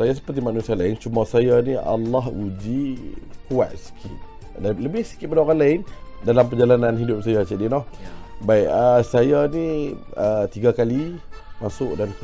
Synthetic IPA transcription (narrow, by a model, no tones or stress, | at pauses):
sajas̬ə̥pərt̪̬imanusialaɪnt͡ʃumasajaniʔa̰lːaɦud͡ʒikua̰t̪̚si̥kʰɪt̪̚ | daləbɪhsi̥kɪt̪̚padaoɣanlaɪndalampəd͡ʒalananɦidʊp̚sajat͡ʃadinɔhbaiʔəsajaniət̪iɡakalimasʊʔdank